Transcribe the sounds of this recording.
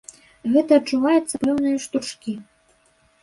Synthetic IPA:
ɣɛt̪ɐːt͡ʂːuvajut̪sːɐpɛwnɨjɐʂt̪ut͡ʂkʲi

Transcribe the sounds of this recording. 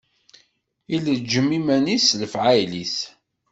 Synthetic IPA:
iləd͡ʒəmimænisləfʕajliθ

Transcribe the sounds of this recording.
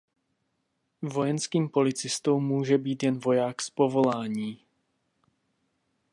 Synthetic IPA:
vo̞jɛnskiːmpo̞lɪt͡sɪst̪owmːuːʒɛbiːt̪jɛnvo̞jaːkspo̞vo̞laːɲiː

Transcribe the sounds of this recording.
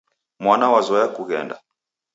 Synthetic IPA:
mwanawazɔjakuɣɛ̰nda

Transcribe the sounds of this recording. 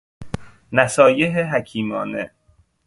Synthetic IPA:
næsɒːjeɦeɦæcʰiːmɒːnḛ

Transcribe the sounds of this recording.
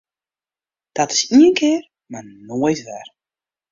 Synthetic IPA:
d̥ɔtɪ̥siənkʰɪːr | marnoəjtʋɛ̰r

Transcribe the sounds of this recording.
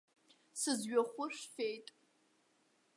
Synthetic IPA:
sɨzɥaχʷʊʂfejtʼ

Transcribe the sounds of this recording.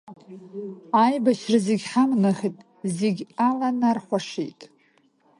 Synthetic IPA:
ajbaʃrazeɡʲħamnaχʲitʼ | zeɡʲalanarħʷaʂḭjtʼ

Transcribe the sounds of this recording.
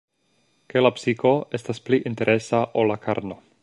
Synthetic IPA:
ke̞lapsiko̞e̞staspliʔinte̞ɾʔe̞saʔolːakʰaɾno

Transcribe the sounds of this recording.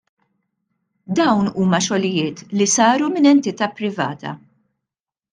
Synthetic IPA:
d̪ɐwnuːmɐʃɔlɪjɪːt̪lisɐːɾumɪnɛnt̪ɪt̪ɐːpɾɪvɐ̰ːt̪ɐ̰

